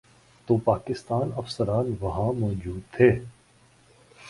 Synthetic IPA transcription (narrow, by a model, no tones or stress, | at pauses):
t̪oːpaːkɪst̪aːnɐfsəɾaːnʋɐɦãmɔːd͡ʒuːd̪̚t̪ʰeː